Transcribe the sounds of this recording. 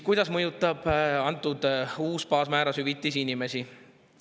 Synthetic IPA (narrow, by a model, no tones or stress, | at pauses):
kujd̪̥ɑsmɤjut̪ːˑɑb̥ɑnt̪ːˑud̪̥uːspɑːsmæːɾɑsyvit̪ːˑisinime̞si